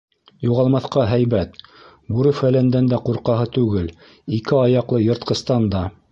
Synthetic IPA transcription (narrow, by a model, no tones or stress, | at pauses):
juʁɑlˠmɑθqɑɦæjβæt̪ | buɾɤfælænd̪ænd̪æquɾqɑɦɤt̪ʉɡɘl | ikɘɑjɑqlˠɤjŏɾt̪̚qɤ̆st̪ɑnd̪ɑ